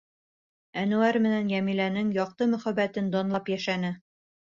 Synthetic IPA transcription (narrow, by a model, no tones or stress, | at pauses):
ænuæɾmɘ̆nænjæmilænɘŋjɒq̚t̪ɤmɵ̆χæbæt̪ɘnd̪ɒnlˠɑpjæʃænɘ